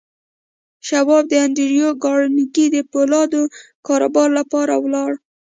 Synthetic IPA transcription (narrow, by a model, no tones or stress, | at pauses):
ʃawɑb̚d̪əand̪iɾijoɡɑɽnikid̪əpolɑd̪okɑɾobɑɾlapɑɾawlɑɽ